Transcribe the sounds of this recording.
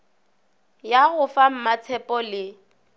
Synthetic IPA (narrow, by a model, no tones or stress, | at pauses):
jaɣʊfam̩mat͡sʰɛpʼɔlɪ